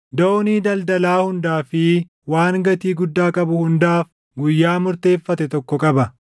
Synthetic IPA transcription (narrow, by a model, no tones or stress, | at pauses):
d̪oniːd̪ɐld̪ɐlaːhʊnd̪aːfɪ | waːŋɡɐt̪iːɡʊd̪ːaːkʼɐbʊhʊnd̪aːf | ɡʊjːaːmʊɾt̪e̞ːfːɐt̪ɛt̪ɔkːɔkʼɐbɐ